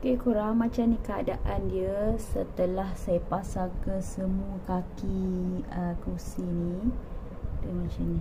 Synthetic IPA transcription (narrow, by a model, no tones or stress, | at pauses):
kekuɾaŋmãt͡ʃamnikəa̰daʔandiəsət̪əlahsajəpasalkəsəmũəkakiəkusini | dəŋãnt͡ʃini